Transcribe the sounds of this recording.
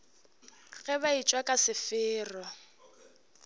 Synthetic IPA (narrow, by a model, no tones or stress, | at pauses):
ɣɛbait͡ʃʼwakʼasɪfɪːrɔ